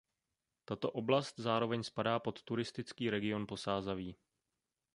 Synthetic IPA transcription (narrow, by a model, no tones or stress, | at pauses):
t̪at̪o̞ʔo̞blast̪zaːɾo̞vɛɲspadaːpo̞t̪ːuɾɪst̪ɪt͡skiːɾɛɡɪo̞npo̞saːzaviː